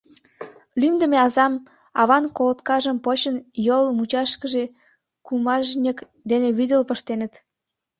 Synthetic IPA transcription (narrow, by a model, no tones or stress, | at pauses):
lymd̪ə̆meɑzɑm | ɑ̰βɑnkolət̪kɑʒə̆mpot͡ɕənjolmut͡ɕɑʃkə̆ʒe | kumɑʒnʲək | d̪eneβyd̪əlpə̆ʃt̪enə̆t̪